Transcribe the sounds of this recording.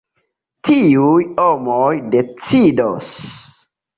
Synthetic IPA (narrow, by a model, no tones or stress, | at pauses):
tiujomojde̞t͡sidos